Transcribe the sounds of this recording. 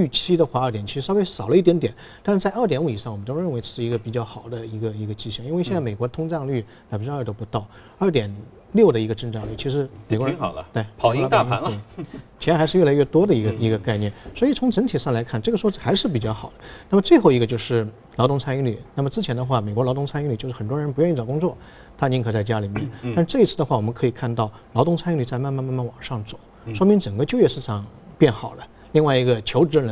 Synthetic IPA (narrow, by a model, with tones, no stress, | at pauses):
y˥˩t͡ɕʰi˥d̪ə˧xwa˧˥ə˞˥˩t̪jɛ˨˩nt͡ɕʰi˧˥ʂ̩˧ʂɑ˥˧ʊwe˥ɪʂɑ˨˩ʊlə˦i˥˩t̪jɛ˧˥nt̪jɛ˨˩˦n | t̪a˥˧ʂ̩˥t͡sa˥˧ɪə˞˥˩t̪jɛ˧˥nu˧˩i˨˩ʂɑ˥˩ŋwə˦nt̪o˥ʊɻə˥˩nwɪʈ͡ʂɤ˥˩ʂɻ̩˥˩i˧˥ɡə˧pi˨˩t͡ɕjɑ˥˩xɑ˨˩ʊd̪ə˦i˧˥ɡə˧i˧˥ɡə˧t͡ɕi˥˧ɕɑ˥˩ŋi˥nwe˥˧ɕjnt͡sa˥˩me˨˩ɪkwɔ˧˥ət̪ʰʊ˥ŋʈ͡ʂɑ˥˧ŋly˥˩ | la˨ɪfə˥˩ʈ͡ʂːt̪o˥pu˧˥t̪ɑ˥˩ʊ | ɐ˞˥˩t̪jɛ˨˩n | ljo˥˩ʊd̪ə˩i˧˥ɡə˧ʈ͡ʂə˥˧ŋʈ͡ʂɑ˥˧ŋly˥˩t͡ɕʰi˧˥ʂɻ̩˧˥me˨˩kɔ˧˥ə˧˥˨lə˦t̪we˥˩ɪ˨˦˥lɑ˧˥a˥˩˥n˥˧˥t͡ɕʰxa˧˥ʂɻ̩˥˧ɥɛ˥˩la˧˥ɪɥɛ˥˩t̪wɔ˥d̪ə˨i˧˥ɡə˧i˧˥ɡə˧ka˥˧ɪnjɛ˥˩nswɔ˧˥i˨˩t͡sʰʊ˧˥ŋʈ͡ʂə˧˥ŋt̪ʰi˨˩ʂɑ˥˩ŋla˧˥ɪkʰa˥˧nʈ͡ʂɤ˥˩ɡə˩ʂwɔ˥˩xa˧˥ʂɻ̩˥˩p̬i˨˩t͡ɕjɑ˥˧˩xɑ˨˩ʊd̪ə˦na˥˩mə˩t͡swe˥˧ɪxo˥˩ʊi˧˥ɡə˧t͡ɕjo˥˧ʊʂɻ̩˥˩ | lɑ˧˥ʊt̪ʊ˥ŋt͡sʰa˥ni˧˥ŋly̰˨˩˦na˥˩mə˩ʈ͡ʂɻ̩˥t͡ɕʰjɛ˧˥nd̪ə˧xwa˥˩me˨˩kwɔ˥ɑ˧˥t̪ʊ˥ŋt͡sʰn˥ŋly˨˩t͡ɕo˥˧ʊʂ̩ɻ̩˥˩xə˨˩nt̪wɔ˥ɻə˧˥np̬u˧jɥɛ˥˧ni˥˩t͡sɑ˨˩kʊ˥ŋt͡swɔ˥˩ | t̪ʰa˥ni˧˥ŋkʰɤ˨˩t͡sa˥˩ɪt͡ɕja˥li˨˩mjɛ̰˥˩nt̪a˥˧nʂɻ̩˥˧ʈ͡ʂɤ˥˩i˧˥t͡sʰɹ̩˥˩ə˩xwa˥˩wɔ˨˩mə˧˦ŋkʰɤ˧˥i˨˩kʰa˥˧nt̪ɑ˥˩ʊ | lɑ˧˥ʊ˥ŋt͡sʰn˥˧˥ly˨˩t͡sa˥˧ma˥˧nma˥˧nma˥˧nma˥˩nwɑ˨˩ŋʂɑ˥˩ŋt͡so˨˩˦ʂwɔ˥mi˧˥ŋʈ͡ʂə˨˩ŋɡə˦t͡ɕjo˥˧ʊɥjɛ˥˧ʂɻ̩˥˩ʈ͡ʂʰɑ˨˩˦ŋ | pjɛ˥˩nxɑ˨˩ʊd̪ə˦ | li˥˧ŋwa˥˩ɪi˧˥ɡə˧t͡ɕʰjo˧˥ʊʈ͡ʂɻ̩˧˥ə˧˩˧